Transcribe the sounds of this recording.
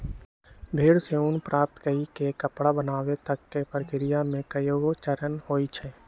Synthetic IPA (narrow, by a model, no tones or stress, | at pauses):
bʱeːɽseʊnpɾʔaːp̚t̪kəikekəpɽabənaːwet̪əkːepəɾkɪɾijamẽkəjoɡot͡ʃəɾənhoːit͡ʃʰɛ